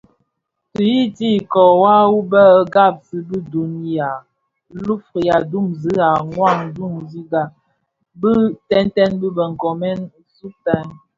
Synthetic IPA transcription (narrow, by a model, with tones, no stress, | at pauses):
ti˨ji˦ti˦˨kɔ˨wa˦wu˦bə˦ə˦ɡa˦˨p̚si˦bi˦du˨n˦ja˨ | lu˦fɾi˨ja˨du˦˨mzi˦a˨ŋwa˦˨ŋdu˦˨mzi˦ɡa˨ | bə˦tɛ˦ntɛ˦nbə˦bə˨ŋ̩˨kɔ˨mɛ˦n | su˦pɛ˨˦n